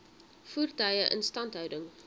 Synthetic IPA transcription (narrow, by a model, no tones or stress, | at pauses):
fuːrtœɥjəʔə̰nstɐntɦœwdəŋ